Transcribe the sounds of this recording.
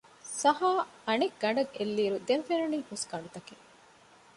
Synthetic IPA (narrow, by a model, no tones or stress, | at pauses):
sɐɦaːɐnekɡɐɳɖɐɡelːiːɾud̪enfeɾɐniːhuskɐɳɖut̪ɐke